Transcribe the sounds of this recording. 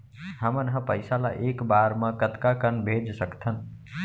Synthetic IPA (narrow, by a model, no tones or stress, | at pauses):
ɦəmənɦə̃pəɪsala̰ʔeːkbaːɾmãkət̪kakənbʱed͡ʒsəkt̪ʰən